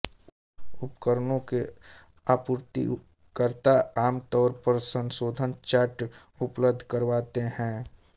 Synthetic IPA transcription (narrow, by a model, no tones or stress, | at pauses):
ʊpkəɾnõke | aːpʊɾt̪ḭ | kəɾt̪aaːmt̪ɔːɾpəɾsə̃nsoːd̪ʱənt͡ʃəʈʊpləbd̪ʱkəɾʋaːt̪ehɛ̃ː